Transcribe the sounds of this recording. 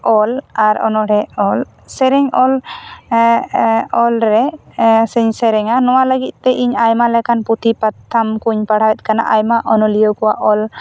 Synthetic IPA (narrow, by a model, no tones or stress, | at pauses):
ɔlaɾɔ̰nɔɽɛɔl | sɛɾɛŋɔl | ɔlɾɛsəɲsɛɾɛŋanɔwaləɡit̪̚ˀt̪ːɛʔiɲajmalɛkanput̪ʰipat̪ʰːamkuɲpaɽ̤awɛt̪̚ˀkana̰ʔajmaʔɔnɔlijɔkɔwaʔɔl